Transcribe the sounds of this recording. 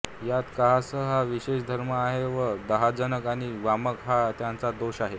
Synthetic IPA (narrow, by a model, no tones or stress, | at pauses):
jat̪kaɦasəɦaʋiɕeɕd̪ʱəɾməaɦeʋəd̪əɦad͡zənəkaɽ̃iʋaməkɦat̪jant͡sad̪oɕaɦe